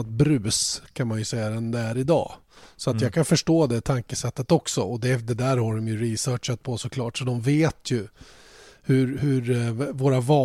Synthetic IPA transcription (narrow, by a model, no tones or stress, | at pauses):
t̪̚bɾʉ̟ːskʰanmanjɵsɛjːad̪ɛnd̪ɛæɾɪd̪ɑ̰ː | sɔat̪jɑːɡkʰanfœʂʈoːd̪ɛt̪ʰaŋkəsɛt̪ːət̪ɔksɔɔd̪ɛd̪ɛd̪æːɾhaɖɔmjɵɾisœːʈʂat̪̚pʰɔsɔkʰlɑːʈsɔd̪ɔmveːt̪ʰjɵ | hɵɾhɵɾvoːɾavɑː